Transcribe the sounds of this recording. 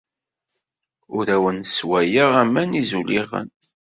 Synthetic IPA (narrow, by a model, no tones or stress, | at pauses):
ʊɾæwənswæjəʁæmːænizuliʁə̰n